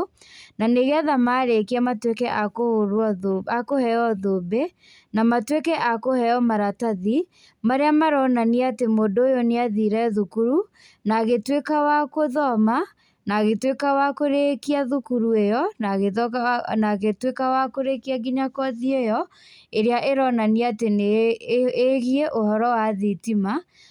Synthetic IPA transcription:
naneɣeaðamaɾekiamatwekɛʔakohoɾɔoakohɛɔðobe | namatwekɛʔakohɛɔmaɾataði | maɾeamaɾɔnaneatemoːdoːjɔneaðiɾɛðukuɾu | naɣetwekawakoðɔma | naɣetwekawakoɾekiaðukuɾuejɔnaɣeðɔnaɣetwekawakoɾekiaɡiɲakɔðiejɔ | eɾeaʔeɾɔnaniatene | eɣieʔohɔɾɔwaðitima

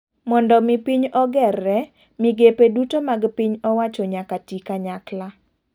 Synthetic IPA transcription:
mɔndɔmipiɲɔɡɛrːɛ | miɡepedutomaɡpiɲɔwat͡ʃɔɲakatikaɲakla

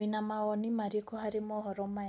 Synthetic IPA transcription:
inamaɔnimaɾiekɔɦaɾɪmɔɦɔɾɔma

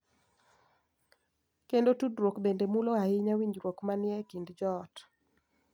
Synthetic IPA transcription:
kendotudɾwokbendemuloaɪɲawiɲd͡ʒɾwokmanɪɛkindd͡ʒɔt

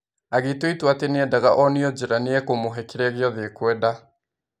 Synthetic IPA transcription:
aɣetoitwateneɛdaɣaʔɔneɔd͡ʒeɾaneɛkomoɦɛkeɾɛɣeɔðekwɛda

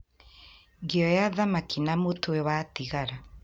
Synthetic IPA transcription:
ɡeɔjaðamakinamotʰoewatiɣaɾa

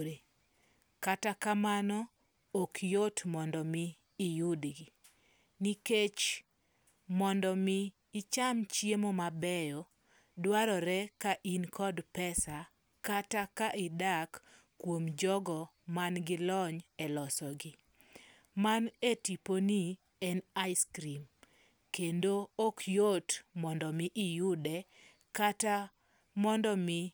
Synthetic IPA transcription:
ɾe | katakamanɔ | okʰjotmɔndɔmɪː | jʊdɡi | niket͡ʃ | mɔndɔmɪː | t͡ʃamt͡ʃjemomabɛjɔ | dwaɾɔɾɛkaʔinkʰɔdpɛsa | katakaʔɪdakː | womd͡ʒɔɡɔ | manɡɪlɔɲɛlɔsɔɡɪ | manetiponi | ɛnaɪskɾim | kendookjotmɔndɔmɪʔɪjudɛ | kata | mɔndɔmɪ

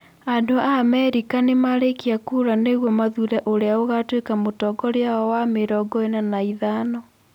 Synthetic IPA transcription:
adoamɛɾikanemaɾekiakuɾaneɣwɔmaðuɾaʔoɾeaoɣatwekamotɔɡɔɾeaɔwameɾɔɡɔenanaiðanɔ

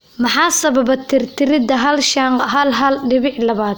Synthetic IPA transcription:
mɑħɑːsɐβɐbɐt̪ʰɪrt̪ʰɪɾɪd̪ɐɦɐlʃaŋqhɐlɦɐlɖɪβɪħlɐβaːd̪

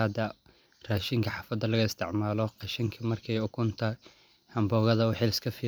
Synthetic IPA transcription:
ɐd̪ɐ | raːʃɪŋkʰɐħɑːfɐd̪ːɐlɐɣɐɪst̪ʰɪʕmaːlɔqɑʃɐŋkʰɐmɐrkʰɛjʊkʰʊnt̪ʰɐ | hɐmbɔːɣɐðɐwɑħɪlɪskʰɐfiː

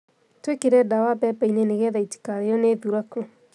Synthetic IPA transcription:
twekeɾɛdawapɛpɛinɛneɣɛðaiti̥kaɾejɔneðuɾaku

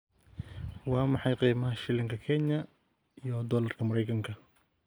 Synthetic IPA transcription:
wɑːmɑħɑjqiːmɐɦɐʃɪlɪŋkʰɐkʰɛɲɐ | ijɔd̪ɔːlɐrkʰɐmɐɾɛjkʰɐŋkʰɐ

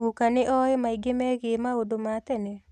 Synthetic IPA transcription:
ukanɪʔɔemaiɡemɛɣemaodomat̪ɛnɛ

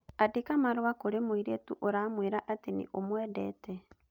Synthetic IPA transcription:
adekamaɾwakoɾemoiɾetuʔoɾamweɾaʔatenḭʔomwɛːdɛ̰tɛ

